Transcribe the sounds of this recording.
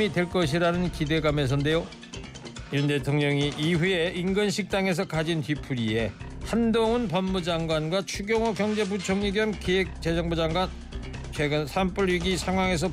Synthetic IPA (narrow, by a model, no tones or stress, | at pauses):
idwe̞ɭk͈ʌɕʰiɾanɯnkide̞ɡame̞s̬ʰʌnde̞jo | ɲunde̞tʰoŋɲʌŋiʔiɸue̞inɡɯnɕʰik̚t͈aŋe̞s̬ʰʌkad͡ʑintɥipʰuɾie̞handoŋunpʌmːud͡ʑaŋɡwanɡwat͡ɕʰuɡjʌŋʌkjʌŋd͡ʑe̞but͡ɕʰoŋɲiɡiʌmkiek̚t͡ɕe̞d͡ʑʌŋbud͡ʑaŋɡwan | t͡ɕʰwe̞ɡɯnsʰamp͈uɾɥiɡisʰaŋɦwaŋe̞s̬ʰʌ